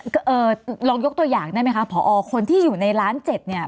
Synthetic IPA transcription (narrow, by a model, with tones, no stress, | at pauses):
kʔɤː˧˩ɾɔː˧ŋjo˦˥k̚t̪u˧əjaː˨˩ŋda˥˩jma˦˥jkʰa˦˥pʰːɔː˩˦ʔɔː˧kʰo˧nt̪ʰiː˥˩juː˨˩na˧jɾaː˦˥nt͡ɕe˨˩t̪̚ni˥˩ɐ